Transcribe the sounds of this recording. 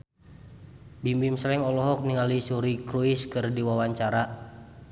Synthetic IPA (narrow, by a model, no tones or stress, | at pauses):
bimbimslɛŋɔlɔɦɔk̚niŋalisuɾikɾuiskɨrdiwawaɲt͡ʃaɾa